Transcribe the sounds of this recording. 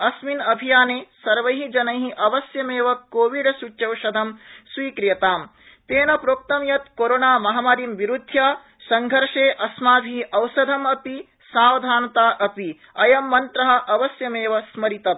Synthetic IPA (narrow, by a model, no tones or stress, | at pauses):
ɐsminɐbʱijaːneːsɐɾʋɐjɦid͡ʒɐnɐjɦiʔɐʋɐsjɐmeːʋɐkoːʋiɽɐsut͡ʃʃɐwʃɐd̪ʱɐmswiːkɾjɐt̪aːm | t̪eːnɐpɾoːk̚t̪ɐmjɐt̪koɾoːnaːmɐɦɐmaːɾiːmʋiɾud̪ʱjaː | sɐŋɡʱɐɾʂeːʔɐsmaːbʱiɦiʔɐwsɐd̪ʱɐmɐpi | saːʋɐd̪ʱaːnɐt̪aːʔɐpi | ɐjɐmːɐnt̪ɾɐɦɐ̆ʔɐʋɐsjɐmeːʋɐsmɐɾit̪ɐ